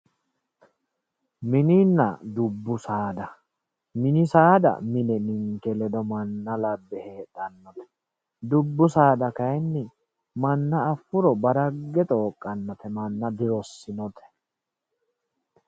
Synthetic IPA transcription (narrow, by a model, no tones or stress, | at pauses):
mɪniːnːɐ̰d̪ʊbːʊsaːd̪ɐ | mɪnɪsaːd̪ɐ̰mɪnɛnɪŋkɛlɛd̪ɔmɐnːɐlɐbːɛheːᶑɐnːɔt̪ɛ̥ | d̪ʊbːʊsaːd̪ɐkɐjnːɪ | mɐnːɐːfːʊɾɔbɐɾɐɡːɛt̪ʼo̞ːkʼːɐnːɔt̪ɛmɐnːɐd̪ɪɾɔsːɪnɔt̪ɛ̥